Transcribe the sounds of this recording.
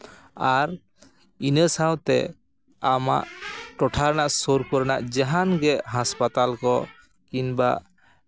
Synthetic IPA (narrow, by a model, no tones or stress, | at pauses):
aɾ | inəsawt̪ɛ̰ | ama̰ʔʈɔʈʰaɾnaʔsoɾpəɾna̰ʔd͡ʒaɦanɡɛʔɦaspat̪alkɔ | kinbaʔ